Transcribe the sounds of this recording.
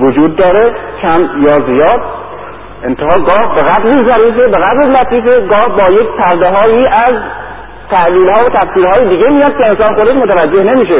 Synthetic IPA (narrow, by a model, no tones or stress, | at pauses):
vod͡ʒuːd̪̚ːɒːɾekʰæmjɒːzijɒːd̪̚ | ʔent̪ʰehɒːɡɒːhbeɣæb̪lizæɾiːfebeɣæb̪ɾelæt̪ʰiːfeɡɒːhbɒːje̞kʲpʰæɾd̪eɦɒːjiːʔæz | t̪ʰæliːlhɒːvot̪ʰæfsiːɾhɒːjed̪iːɡʲemijɒːd̪̚kʰe̞ensɒːnxod̪eʃmot̪ʰævæd͡ʒːe̞hne̞miːʃe